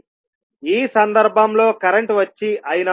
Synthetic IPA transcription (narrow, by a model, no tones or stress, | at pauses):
iːsɐnd̪ɐɾbʱɐmlo̞ːkɐɾeɳʈʋɐt͡ʃːiʔɐjinɐ